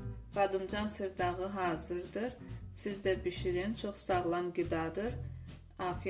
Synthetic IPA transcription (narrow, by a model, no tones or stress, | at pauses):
v̥ɑd̪ɯmd͡ʒɑnsɨɾd̪ɑʁɯɦɑːzɯɾd̪ɯɾsizd̪æbiʃiɾint͡ʃʰoχsɑʁlˠɑmɡid̪ɑd̪ɯɾ | ɑːfi